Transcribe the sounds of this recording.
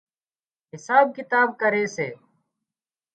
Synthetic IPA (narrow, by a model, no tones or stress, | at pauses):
ɦɪsaːb̚kɪt̪aːb̚kəɾeːseː